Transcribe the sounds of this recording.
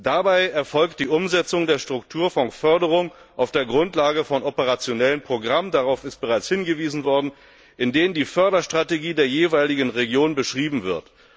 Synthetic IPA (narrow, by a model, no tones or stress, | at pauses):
d̥abaɪɛɐfɔlk̚t̚d̥iːʔʊmzɛt͡sʊŋdeːɐʃtʁ̥ʊktʰuːɐfɔŋkfœɐdəʁ̞ʊŋ | ʔaʊfd̥eːɐɡʁʊntlaːɡəfɔnʔɔpəʁ̞at͡sjonɛlənpʁ̥oɡʁaməndaʁaʊfɪst̚b̥əʁaɪt͡shɪnɡəviːzn̩vɔɐdn̩ | ʔɪndeːnəndiːfœɐɾɐʃtʁ̥ateɡiːdeːɐjeːvaɪlɪɡənʁeɡjoːnbəʃʁ̥iːbm̩vɪɐt